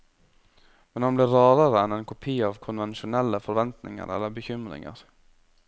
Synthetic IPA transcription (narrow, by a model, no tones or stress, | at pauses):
mɛnhɑnblɪːɾɑːɾəɾəɛnɛnkʰʊpʰiːɑːʋkʰʊnʋɛnʃʊnɛlːəfɔɾʋɛnt̪nɪ̰ŋə̰ɾɛ̰lːəɾbəçʏmɾɪ̰ŋə̰ɾ